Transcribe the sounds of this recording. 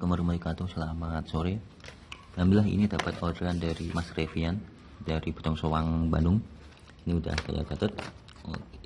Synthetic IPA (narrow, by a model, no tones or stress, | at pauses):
kəməɾməlikat̪ʊsəlamat̪̚soɾe | dambilaɦḭnidapat̪odəɾandaɾimasrefian | daɾibu̥t̪ɔŋsowaŋba̰ndʊŋ | iniuda̰hka̰ja̰t͡ʃat̪ət̪̚